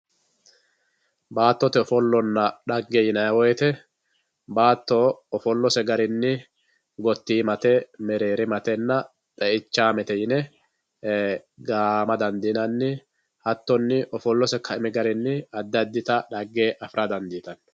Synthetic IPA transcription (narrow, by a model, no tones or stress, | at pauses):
baːt̪ːɔt̪ɛɔfɔlːɔnːɐɗɐɡːejɪnɐjɐwɔjɛt̪ɛ | baːt̪ːɔɔfɔlːɔsɛɡɐɾɪnːɪ | ɡɔt̪ːiːmɐt̪ɛmɛɾeːɾɪmɐt̪ɛnːɐ | t̪ʼɛʔɪt͡ʃːaːmɛt̪ɛjɪnɛ | ɡaːmɐd̪ɐnd̪iːnɐnːɪ | hɐt̪ːɔnːɪʔɔfɔlːɔsɛkʰɐɪmɛɡɐɾɪnːɪɐd̪ːɐd̪ːɪt̪ɐᶑɐɡːeːʔɐfɪɾʔɐd̪ɐnd̪iːt̪ɐn